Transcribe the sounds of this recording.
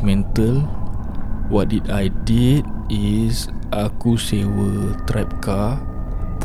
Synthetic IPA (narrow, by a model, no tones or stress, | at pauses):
mɛ̃nt̪əl | wɔt̚ditajdit̚isʔakusewət̪ɾap̚ka | p